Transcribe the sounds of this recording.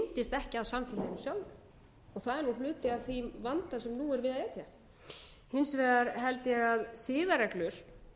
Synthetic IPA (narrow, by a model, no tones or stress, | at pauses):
nt̪ɪst̪ɛhcɪaðsamfɪnt̪ɪnʏmsjawlʏ | ɔɣθaðɛɾnul̥ʏːt̪ɪaðθivant̪asɛmnuɛɾvɪðaðjɛt̪ja | hɪnsvɛːðaɾɦɛlt̪ɪjɛɣaðsɪːðaɾɛklʏɾ̥